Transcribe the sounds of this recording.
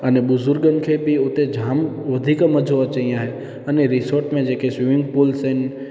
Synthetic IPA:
ənebʊzʊɾɡənkʰebiot̪ed͡ʒʱamʋəd̪ʱikəməd͡ʒʱoət͡ʃəjãɦe | əneɾisoɾʈmẽd͡ʒekesʋiʋɪŋɡpolsen

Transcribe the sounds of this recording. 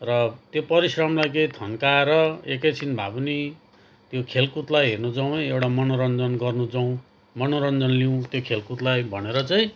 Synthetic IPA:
rʌt̪jopʌɾisrʌmlajkeĩt̪ʰʌnkaeɾʌekʌjt͡sʰinbʱa̰bni | t̪jokʰelkut̪lajɦernud͡zaw̃nʌewʈamʌnoɾʌnd͡zʌnɡʌrnud͡zʌw̃ | mʌnoɾʌnd͡zʌnliũt̪jokʰelkut̪lajbʱʌneɾʌt͡saĩ

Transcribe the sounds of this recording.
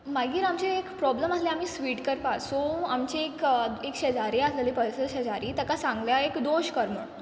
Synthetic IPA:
maɡiːɾamt͡ɕeekpɾɔbləməsleam̤iːsʋiːʈkəɾpasoamt͡ɕeekekɕed͡zaɾiaslelipəjsəɕəd͡zaɾiːt̪əkasãŋɡljaekd̪oɕkəɾm̤əɳ

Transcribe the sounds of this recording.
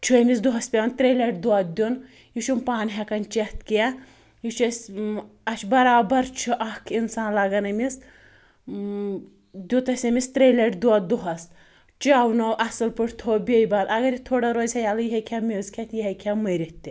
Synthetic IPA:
t͡ʃʰumʲis̬d̪uɦɐspʲeɐnt̪ɾeːlʲɐʈd̪uɐt̪̚d̪ʲun | jiʃumpaːnʲɦɐkɐnt͡ʃeht̪kɛ | jiʃɐsʲɐʃbɐɾaːbɐɾt͡ʃʰɨʔɐkʰinsaːnlɐɡɐnɐmʲis | d̪ʲut̪ɐsʲɐmʲist̪ɾelʲɐʈd̪uad̪uɦɐs | t͡ʃaːwnɐwʔɐsɨlpɨʈʰt̪ʰoːbʲejbaːd̪ɐɡɐɾit̪ʰoːɽɐɾoːzʲhɐjaːlɐjiɦɐkʲʰamʲezkʰʲet̪jiɦɐkʰamɐɾʲit̪ʲːi

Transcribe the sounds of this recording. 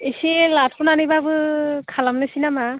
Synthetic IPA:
eselat̚kʰunanibabɯkʰalamnɯsinama

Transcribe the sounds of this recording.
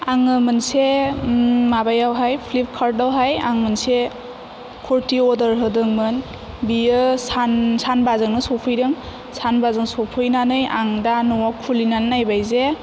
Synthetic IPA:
aŋɯmɯnse | mabajawɦajpʰlip̚kʰaɾdawɦaja̰ŋmɯnse | kʰɔɾtiɔdəɾɦɯdɯŋmɯn | biɯsansanbazɯŋnɯsɔpʰɯjɾɯŋ | sanbazɯŋsɔpʰɯjnanɯjaŋdanɔwakʰulinannajbajze

